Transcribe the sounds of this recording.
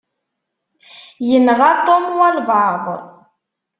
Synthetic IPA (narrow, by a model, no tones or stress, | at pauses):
jənʁat̪omwalbaːbə̰ɾˤ